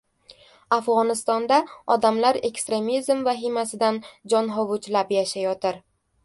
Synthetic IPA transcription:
afʁɒnɪst̪ɒnd̪aɒd̪amlaɾe̞kst̪ɾe̞mizmvaɦɪmasɪd̪and͡ʒɒnɦɒvʊt͡ʃlapjaʃajɒt̪ɪɾ

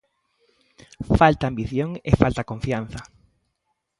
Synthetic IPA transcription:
falt̪aːmbiθjoŋefalt̪akõɱfian̟θɐ

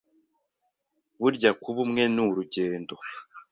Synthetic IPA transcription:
βuɾɟakuβumŋe̞nuɾuɟeːndo̞

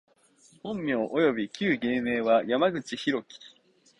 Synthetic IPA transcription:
hõ̞mːʲjo̞ːʔojo̞bʲikʲɨːɡe̞ːme̞ːβajamaɡɯ̟t͡ɕiçiɾo̞kʲi̥

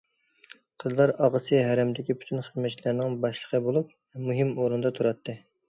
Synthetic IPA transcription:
qʰəzlˠɑɾɑʁəsɨɦæɾɛmd̪ɪkʲipʰy̥t̪ʰynχəzmɛt͡ʃʰilæɾnɪŋbɑʃlˠə̥qʰəbolˠup̚vɛmuɦɨmoɾund̪ɑt̪ʰuɾɑt̪ʰːɨ

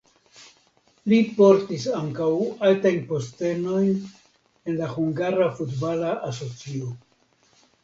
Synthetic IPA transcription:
lipo̞ɾtisaŋkawaltajnpo̞ste̞no̞jn | e̞nlahuŋɡaɾafutbalaʔas̬o̞t͡sio

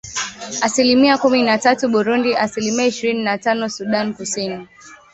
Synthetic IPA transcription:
asilimiakuminatatuɓuɾundiʔasilimiaiʃiɾininatanɔsuɗankusini

